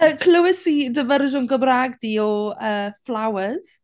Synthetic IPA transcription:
əkʰləwɪsidəvəɾɪʒʊnɡəbraːɡdiːɔəːflawəz̥

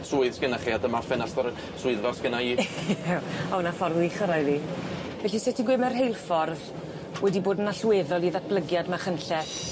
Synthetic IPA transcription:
sʊɨðskənaχiːadəmafɛnastɔɾ | sʊɨðvarskɪnaiː | awnafɔrðiχəɾajðivɛɬisɛtʰiɡwɪmɛrɦejlˠfɔrð | wʔɛdiboːdənaɬweːðɔlˠiðat̚ʰb̥lˠəɡjadmaχənɬɛθ

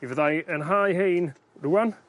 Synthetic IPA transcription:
ivəðajənɦajɦejn | ruːan

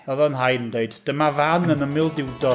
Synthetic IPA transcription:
ɔðɔnɦajəndeɨdd̥əmavanənəmɪlˠdɪwdɔ

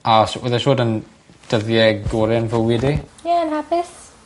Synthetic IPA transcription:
aswɛðɛʃoːdən | d̥əðjɛɡoɾɪnvəwidejɛənhapɪs

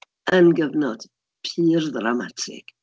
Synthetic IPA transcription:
ənɡəvnɔt | pʰiːɾðɾamatʰɪ̰k

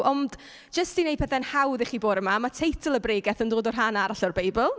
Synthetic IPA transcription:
ʔɔnd | d͡ʒ̥əstinej̚pɛθɛnhawðiχiːboːɾəmamatʰejtʰəlˠəbrejɡɛθəndoːdɔrɦanaɾaɬɔrbejbəlˠ

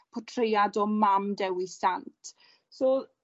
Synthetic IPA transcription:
pʰɔtʰrejadɔmamdɛwisantʰ | soː

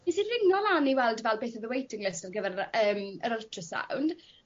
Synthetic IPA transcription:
isirɪŋnɔlaniwɛlˠdvɛlˠbeːθəðəwejtʰɪŋɪstarɡəvɛɾəːməɾəltʰrəsa̰wnd̥

